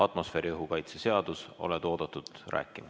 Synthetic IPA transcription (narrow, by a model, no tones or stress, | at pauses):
ɑt̪ˑmo̞sfe̞ːɾiɯɦukɑjt̪sese̞ɑd̪̥uso̞̰lɛt̪o̞ːd̪̥ɑt̪ːˑud̪̥ræ̰ːkːˑim